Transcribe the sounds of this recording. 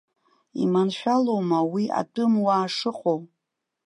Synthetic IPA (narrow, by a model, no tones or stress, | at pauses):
ḭmanʃᶣalowmawia̰tʼɨmwaːʂɨqʷʼow